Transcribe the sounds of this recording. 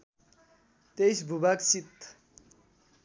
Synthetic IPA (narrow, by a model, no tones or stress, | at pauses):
t̪ejsbʱubaksit̪